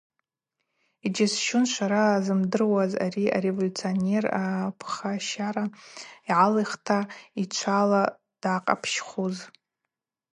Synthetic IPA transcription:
id͡ʒɪsʃʊnʃʷaɾaːzɨmdɨrwaza̰ɾia̰ɾe̞volʲut͡sʰionerapʰχaʃaɾaiʕalajχtʰait͡ʃʷʰala | d̥aːqʼa̰pʰʃχuz

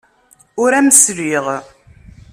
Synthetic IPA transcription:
ʊɾæməsɾiʁ

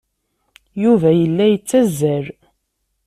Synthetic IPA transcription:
juvæjəlːæjət͡sːæzːæɾ

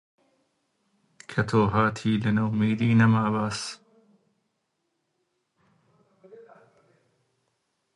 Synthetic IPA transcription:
kʰɐt̪ʰoːɦaːt̪ʰiːlɪnɐwmiːd̪iːnɐmaːbaːs

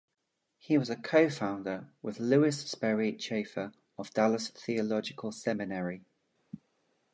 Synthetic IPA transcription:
hiwɒzəkʰəʊfãʊ̃ndəwʔɪðlʉːɪsspɛɹit͡ʃʰeɪfəɹ | əvd̥aləsθiəlɒd͡ʒɪkʰəlˠsɛmɪnəɹi

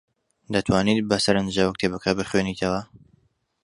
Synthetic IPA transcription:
d̪ɐt̪ʰwaːniːt̪̚bɐsɐɾɐnd̪ʒawɐkt̪ʰebɐkʰabɨχweniːt̪ʰɐwɐ

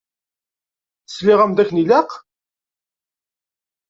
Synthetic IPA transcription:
θəslɪʁæmd̪æçnilæq

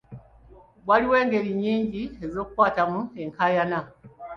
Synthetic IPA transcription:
bwaliwe̞ːŋɡe̞ɾiɲːiːɲɟie̞zo̞ːkukwaːtamue̞ŋkʰajana

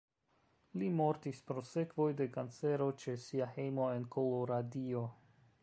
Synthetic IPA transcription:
limo̞ɾtispɾo̞se̞kvo̞jde̞kant͡se̞ɾo̞t͡ʃe̞siahe̞jmo̞e̞nkʰoloɾadio̞

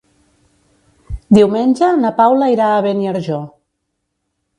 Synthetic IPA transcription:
d̪iwmenʲʒənapawlaiɾaːβeniaɾʒɔ

